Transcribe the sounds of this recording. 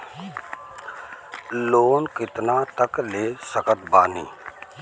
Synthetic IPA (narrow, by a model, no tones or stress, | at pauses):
loːnkɪt̪naːt̪əkleːsəkət̪baːnḭː